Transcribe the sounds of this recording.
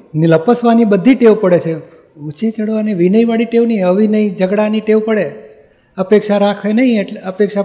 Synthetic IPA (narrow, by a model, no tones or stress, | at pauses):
nɪləpəsʋanibəd̪ʱːiʈeʋpəɽet͡ʃʰe | ut͡ʃet͡ʃəɽʋaneʋinəjʋaɽiʈeʋniəʋinəid͡ʒəɡɽaniʈeʋpəɽe | əpekʃaɾakʰenəɦĩeʈeəpekʃa